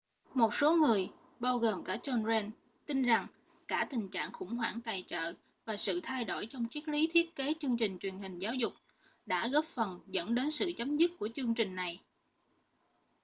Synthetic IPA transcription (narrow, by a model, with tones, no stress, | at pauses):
mo˨˩t̚so˨˦ŋɨ˨˩əj | ɓaː˧wɣoː˨˩mkaː˧˩t͡ɕɔ˧nzɛ˧n | t̪i˧nza˨˩ŋ | kaː˧˩t̪ï˨˩ŋ̟t͡ɕa̰ː˧˨ŋxʊ̰˧˥˩ŋ͡mɦwaː˧˩ŋt̪aː˨˩jt͡ɕə̰ː˧˨ | vaː˨˩sɨ̰˧˨t̪ʰa˧jɗo˧˩jt͡ɕɔ˧wŋ͡mt͡ɕi˦˥ət̚li˨˦t̪ʰi˦˥ət̚ke˨˦t͡ɕɨ˧əŋt͡ɕï˨˩ŋ̟t͡ɕwi˨˩ənhï˨˩ŋ̟zaː˨˦wzʊ˨˩k͡p̚ | ɗa̰ː˧˥ɣɔ˦˥p̚fə˨˩nzə̰˧˥nɗe˨˦nsɨ̰˧˨t͡ɕə˨˦mzɨ˦˥t̚ku˧˩ət͡ɕɨ˧əŋt͡ɕï˨˩ŋ̟na˨˩j